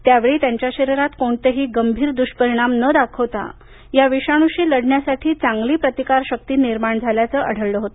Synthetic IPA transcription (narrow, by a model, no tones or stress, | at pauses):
t̪jaʋeɭiːt̪jaɲt͡ɕjaɕəɾiɾat̪koɳt̪əɦiːɡəmbʱiːɾd̪uʂpəɾiɽ̃amnəd̪akʰəʋt̪a̰ | jaʋiɕaɽ̃uɕiːləɽɳjasaʈʰiːt͡sãŋɡliːpɾət̪ikaɾɕək̚t̪iːniɾmaɳd͡zʱaljat͡səʔəɽ̤əɭləɦot̪o